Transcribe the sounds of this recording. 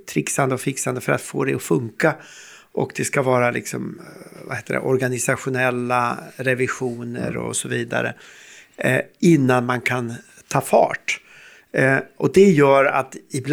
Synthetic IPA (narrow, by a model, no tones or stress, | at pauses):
t̪ʰɾɪksand̪əɔfɪksand̪əfœɾa̰t̪fo̰ːd̪ɛɔfɵŋka | ʔɔkd̪ɛskavɑːɾalɪksɔmva̰heːt̪ədɛ̰ʔɔɾɡanɪsaɧʊnɛlːaɾɛvɪɧuːnə̰ɾɔ̰sɔviːd̪a̰ɾə̰ | ɪnːanmankʰan | t̪ʰɑːfɑ̰ːʈ | ʔɔd̪ɛjœːɾa̰t̪ɪbl